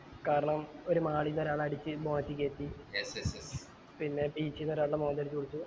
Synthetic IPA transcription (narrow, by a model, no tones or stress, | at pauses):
kaːɾɐɳɐmo̞ɾumaːɭijinːoɾaːɭaːɽit͡ɕːɨbo̞ːɳɐt̪ːikʲːe̞ːt̪ːijesss | pinːe̞biːt͡ɕːijinːoɾaːɭːɐmoːnd̪ɐːɾit͡ɕːuːɽit͡ɕːu